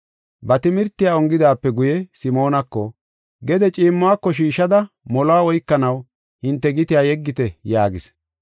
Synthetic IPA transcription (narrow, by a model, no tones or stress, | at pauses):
bɐt̪ɪmɪɾt̪ːɪjaːɔŋɡɪd̪aːpːɛɡʊjɛsɪmo̞ːnɐkːɔ | ɡɛd̪ɛt͡ʃʼiːmːʊaːkːɔʃ̬iːʃɐd̪ɐ | mɔlɔaːɔjkːɐnɐw | hɪnt̪ːɛɡɪt̪ɪjaːjɛɡːɪt̪ɛjaːɡɪs